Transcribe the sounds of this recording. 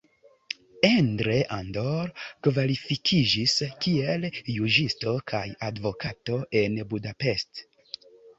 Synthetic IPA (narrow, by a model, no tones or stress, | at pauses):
endɾe̞ʔandoɾkvalifikʰid͡ʒiskieljud͡ʒisto̞kʰajadvokato̞ʔe̞nbudape̞st